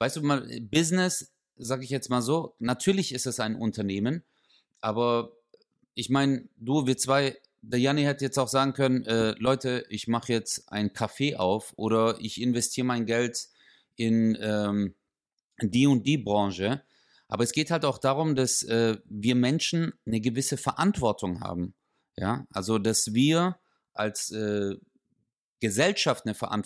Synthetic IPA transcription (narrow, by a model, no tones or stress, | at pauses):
vaɪsd̥uːmaːlbɪznɪs | z̥aːɡəɪçjɛt͡stmaːlzoːnatʰyːɐlɪçɪstdasaɪnʔʊntʰɐneːmən | ʔaːbɐ | ʔɪçmaɪnduːviːɐt͡sv̥aɪ | dajanihɛtəjɛt͡staʊxz̥aːɡŋ̩kʰœnənʔɛːlɔʏtəʔɪçmaχəjɛt͡stʔa̰ɪnkʰafeːʔa̰ʊfʔoːɾɐɪ̰çɪnvɛstʰiːʁəmaɪnɡɛlt | ʔɪnɛːm | diːʊnt̚d̥iːbʁɑ̃ŋʃə | ʔaːbɐɛsɡ̥eːthaltaʊxd̥aːʁ̞ʊmdasʔɛːviːɐmɛnʃn̩nəɡəvɪsəfɛɐʔantv̥ɔɐtʰʊŋha̰ːbm̩ | ja̰ːʔalzodasviːɐ | ʔalsʔɛː | ɡ̥əzɛlʃaftnəfɛɐʔa̰nt